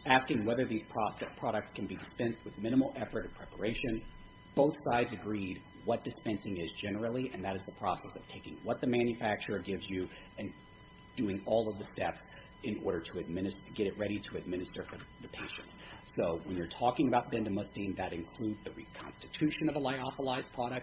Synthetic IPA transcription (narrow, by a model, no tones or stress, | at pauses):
æskɪ̃ŋwɛðə˞ðiz̥pʰɹ̥ɑsɛpʰɹ̥ɑɾɨk̚tskʰɨ̃n̩bidɨspɛ̃nst̚wɨðmɪ̃ñəml̩ˠɛfə˞ɾʌ̥pʰɹ̥ɛpə̰˞eɪʃɨ̃n | b̥oʊθsaɪdzɨɡɹid̚ | wʌt̚d̥ɨspɛ̃nsɪ̃ŋɪzd͡ʒɛnə˞l̩ˠiʔɨ̃nðɨɾɨzðəpʰɹ̥ɔsɛsʌv̥tʰeɪkɪ̰̃ŋwʌt̪̚ðɨmæ̃njɨfæk̚t͡ʃə˞ɡɪvzjɨ | ɨ̃n | d̥ʉɪ̃ŋɔlˠʌvðɨstɛps | ɨ̃nɔ̰ɹɾə˞ɾɨɨd̚mɪnɨstɡɛɾɨt̚ɹɛɾiɾɨɨd̚mɪ̃nɨstə˞fə˞ðɨpʰeɪʃɨ̰̃nt | soʊwə̃njə˞tʰɔkɪ̃ŋɨbaʊt̚b̥ɛ̃ndɨmʌstĩnðɨɾɨ̃nkʰl̥ʉdzðɨɹikʰɑ̰̃nstɨtʰʉʃɨ̃nʌvəlaɪɑfəlaɪzpʰɹ̥ɑɾɨk̚t̚